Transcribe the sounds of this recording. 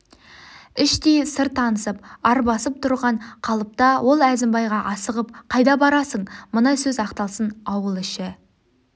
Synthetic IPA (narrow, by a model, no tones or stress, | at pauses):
ɪʃt̪ejsəɾt̪ʰːɑnəsəpɑɾbɑsəp̚t̪ʰʊɾʁɑɴqʰɑlˠəp̚t̪ɑwʔo̞lˠæzɪmbɑjʁɑʔɑsəʁəp̚qʰɑjd̪ɑbɑɾɑsəɴmənɑsɵzɑqt̪ɑlˠsənɑwəlˠɪʃɪ